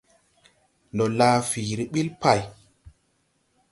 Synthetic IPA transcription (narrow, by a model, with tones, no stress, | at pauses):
ndɔ˨laː˦fiː˨ɾi˦ɓi˦lpa˦˨j